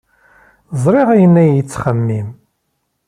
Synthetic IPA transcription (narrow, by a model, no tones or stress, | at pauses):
zˤɾˤiʁæjənːæjət͡sːχəmːim